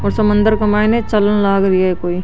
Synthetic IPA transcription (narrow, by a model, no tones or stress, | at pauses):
ɔːɾsɐmə̃nd̪əɾkɐmaːjnet͡ʃɐlənlaːɡɾijaɦekoːi